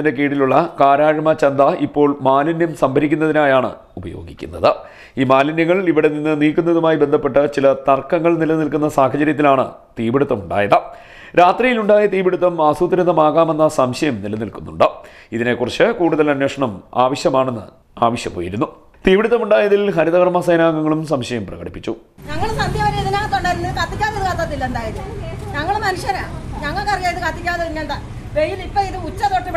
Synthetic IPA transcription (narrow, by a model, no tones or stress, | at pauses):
indek̬eːɽiluɭːɐkaːɾaːɻɐmɐt͡ɕɐnd̪ɐipːo̞ːɭmaːlɐnjɐmsɐmbʱɐɾikʲːunːɐðinaːjaːɳɨ̰ | ubɐjo̞̰ːɡikʲːṵnːɐ̰ðɨ | iːmaːlɐnjɐŋːɐɭiʋiɽe̞ninːɨniːkːunːɐðumaːjibe̞nd̪ʱɐpːe̞ʈːɨt͡ɕilɐt̪ɐrkːɐŋːɐɭnilɐnilkunːɐsaːɦɐt͡ɕɐɾjɐt̪ːilaːɳɨ̰ | t̪iːbiɽut̪ːɐmuɳɖa̰ːjɐðɐ | ɾaːt̪rijiluɳɖaːjɐt̪iːbiɽut̪ːɐmaːsuːt̪ːɐɾɐnɐmaːɣaːme̞nːasɐmɕɐjɐmnilɐnilkunːṵɳɖɨ | iðine̞kurɐt͡ɕːɨkuːɽuðɐlɐnweːʂɐɳɐma̰ːʋɐɕjɐmaːɳe̞nːɨ̰ | aːʋɐɕjɐ̰mpo̰ːjḭɾunːu | t̪iːbiɽut̪ːɐmuɳɖaːjɐðilɦɐɾiðɐɣɐrmaːsɐjɐnaːŋɡɐŋːɐɭumsɐmɕɐjɐmprɐ̰ɣɐɽipːit͡ɕːu | ɲɐŋːɐɭsɐnd̪jɐʋɐɾɐiðinaːŋɐt̪ːoɳɖaːjɾunːɐðɨkɐt̪ːikʲːaːðɐðɨkɐt̪ːaːt̪ːilːɐend̪aːjɐðɲɐŋːɐɭmɐnuʂjɐnaɲɐŋːɐɭkɐrkaːjɐðɨkɐt̪ːikʲːaːt̪ːɐðinːɐd̪a | ʋejilipːoːiðɨut͡ɕːɐðoːʈːiʋ